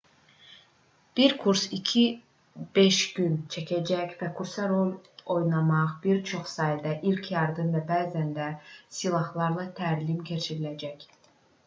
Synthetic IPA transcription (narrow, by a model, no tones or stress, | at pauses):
b̥iɾkʰuɾsicʰi | b̥e̞ʃɟynt͡ʃʰæcʰæd͡ʒæcvækʰuɾsɑɾo̞lˠo̞jnɑmɑʁbiɾt͡ʃʰo̞χsɑːjd̪æʔilʲcʰjɑɾd̪ɯnd̪ɑbæːzænd̪æsilˠɑhlˠɑɾlˠɑt̪ʰæɾlimcʰe̞t͡ʃʰiɾilæd͡ʒæc